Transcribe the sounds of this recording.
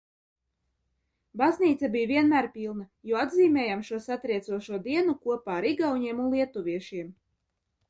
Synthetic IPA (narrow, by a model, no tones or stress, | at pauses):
bazniːt̪sabijvʲiɛnmæːɾpʲilˠnajuad̪ziːmʲɛːjamʃuɔsat̪ɾiɛt̪suɔʃuɔd̪iɛnukuɔpaːɾiɡawɲiɛmunlˠiɛt̪uvʲiɛʃiɛm